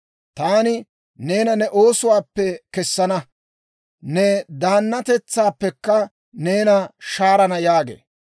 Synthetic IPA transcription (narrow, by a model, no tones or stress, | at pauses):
t̪aːnɪ | ne̞ːnɐnɛʔo̞ːsʊwaːpːɛkɛsːɐnɐ | nɛd̪aːnːɐt̪ɛt͡sːaːpːɛkːɐ | ne̞ːnɐʃaːɾɐnɐjaːɡḛː